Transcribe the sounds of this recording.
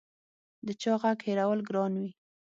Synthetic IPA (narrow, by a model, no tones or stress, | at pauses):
d̪ət͡ʃɑɣakheɾawəlɡɾɑnwi